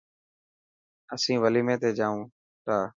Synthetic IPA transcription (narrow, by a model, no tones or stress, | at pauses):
əsĩːʋəliːmẽːt̪eːd͡ʒaːũː | t̪aː